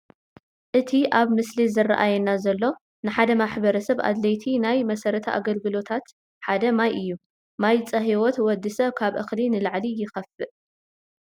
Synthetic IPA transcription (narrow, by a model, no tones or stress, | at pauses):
ʔɨt̪ʰiʔaβmɨslizɨra̰ʔajɛnːazɐlːo̞ | nɨħad̪ɐmaħbɐɾɐsɐβʔa̰d̪lɐjt̪ʰinajmɐsɐɾɐt̪ʰɐʔa̰ɡɐlɡɨlo̞t̪ʰat̪ | ħad̪ɐmajʔɨjːu | majt͡sʼɐɦiwot̪wɔd̪ːɨsɐβkʰaβʔɨ̰xlinɨlaʕlijɪxɐfɨʔ